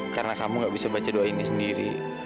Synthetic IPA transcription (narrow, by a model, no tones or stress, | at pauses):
kaɾənakamuŋɡaʔbisabat͡ʃaduainisəndiɾḭ